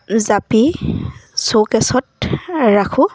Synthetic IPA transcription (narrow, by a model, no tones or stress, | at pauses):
zapi | sokɛsɔtɹakʰʊ̃